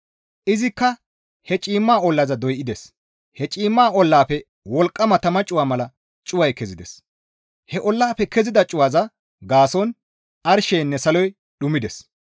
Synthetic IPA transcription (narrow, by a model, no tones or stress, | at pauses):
ʔɪzɪkːɐ | hɛt͡ʃʼiːmːaːɔlːɐzɐd̪ɔjʔɪd̪ɛs | hɛt͡ʃʼiːmːaːʔɔlːaːpɛ | wɔlkʼːɐmɐt̪ɐmɐt͡ʃʼʊwaːmɐlɐ | t͡ʃʼʊwɐjkɛzɪd̪ɛs | hɛʔɔlːaːpɛkɛzɪd̪ɐt͡ʃʼʊwaːzɐ | ɡaːsɔn | ʔɐɾʃɛjnːɛsɐlɔj | ɗʊmɪd̪ɛs